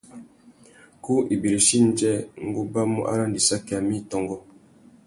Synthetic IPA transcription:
ku˦ʔi˨bi˨ɾe˨ʃi˦n˦d͡ʒɛ˦ŋ̩˦ɡu˦ba˦mṵ˦ʔa̰˦la˦ndi˨sa˦ki˨a˨mi˦tɔ˨ŋɡɔ˦

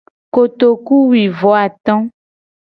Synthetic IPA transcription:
ko˨t̪o˨ku˦wi˨vɔ˨˦a˨t̪ɔ̃˦

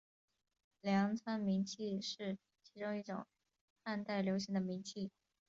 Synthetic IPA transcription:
ljɑ˧˥ŋt͡sʰwa˥nmi˧˥ŋt͡ɕʰi˥˧ʂɻ̩˥˩ | t͡ɕʰi˧˥ʈ͡ʂʊ˥ŋi˥˩ʈ͡ʂʊ̰˨˩˦ŋ | xa˥˧nt̪a˥˩ɪljo˧˥ʊɕ̬i˧˥ŋd̪ə˧mi˧˥ŋt͡ɕʰi˥˩

